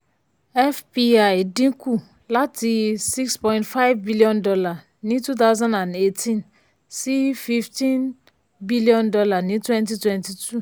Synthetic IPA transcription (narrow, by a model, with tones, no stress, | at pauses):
ɛ˦fpi˦a˨dĩ˦ku˦ | la˦tʰi˨si˦kspɔ̃˦j̃ntfa˦jvbi˦liɔ̃˦ndɔ˦la˨ | nĩ˦tu˦t̪̬a˦wzã˦ndã˨nde˦tʰĩ˦n | si˦fi˦ftĩ˦n | bi˦liɔ̃˦ndɔ˦la˨nĩ˦twɛ̃˦nt̬i˦twɛ̃˦nti˨tʰu˦